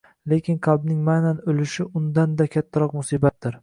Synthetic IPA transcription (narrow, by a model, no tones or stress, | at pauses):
le̞kʲɪnqʰɑlˠbnɪŋmananɵlɪʃɪʔʊnd̪and̪akʲʰat̪ʰːaɾɒqmʊsiːbat̪̚d̪ɪɾ